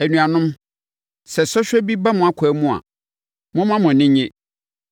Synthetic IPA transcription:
æ˨nũ˨a˨nʊ̃˦m | sɛ˨sɔ˦ɕᶣɛ˦bi˦ba˦mʊ̃˨a˦kʷʰɛ˨˦mʊ̃˦a̰˨ | mʊ̃˦mã˦mʊ̃˨nɪ̃˦ɲɪ̃˦

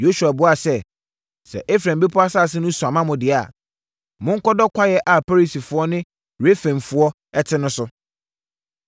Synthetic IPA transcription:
jo˦su˨a˨bʊ˦a˨sɛ˦ | sɛ̰˨ʔe˦fɾã˨m˨be˦pʰʊ˦a˦sa˦˨s̬ɪ˦nʊ̃˦su˨ã˨mã˦mʊ̃˨dɪ˨a˨ | mʊ̃˦ŋ̩˦kɔ˦dɔ˦kʷʰa˦jɛ˦ʔa˨pa˦ɾi˨si˨fʊ˦ɔ˦nɪ̃˦ | ɾe˦fẽ˨mfʊ˦ɔ˦ | ɛ˦tʰɪ˦nʊ̃˦sʊ˦

